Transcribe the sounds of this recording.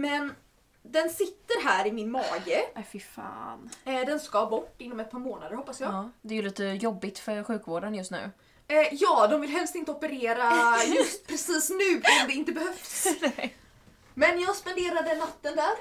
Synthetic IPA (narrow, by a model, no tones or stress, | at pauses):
mɛn | d̪ɛnsɪt̪ːəɾɦæːɾɪmɪnmɑːɡəɛfɪfɑ̰ːnd̪ɛnskabɔʈːɪnːɔmɛt̪̚pʰɑːɾmoːnad̪əɾhɔpːasjɑːɡd̪ɛːɾjʉliːt̪əjɔbːɪt̪fœɾɧʉ̟ːkvoːɖənjɵst̪nʉ̟̰ː | jɑːd̪ɔmvɪlɦɛlst̪ɪnt̪əɔpəɾeːɾajɵst̪pʰɾɛsiːsnʉ̟ːɪamd̪ɛɪnt̪əbɛhœfs | mɛnjɑːɡspɛnd̪eːɾad̪ənat̪ːənd̪æːɾ